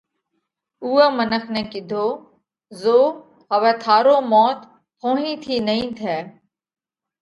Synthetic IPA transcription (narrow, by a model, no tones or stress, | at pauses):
uːɛːmənəkʰnɛ̃ːkɪd̪ʱoː | zoː | ɦəʋɛːt̪ʰaːɾoːmɔːt̪ | pʰõːɦĩːt̪ʰiːnəɦĩːt̪ʰɛː